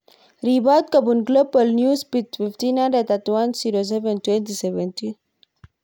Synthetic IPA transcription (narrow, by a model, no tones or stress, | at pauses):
ɾibat̪̚kabunɡlobəlnjuspit̪fift̪inadat̪at̪wansiɾos̬event̪went̪isevent̪i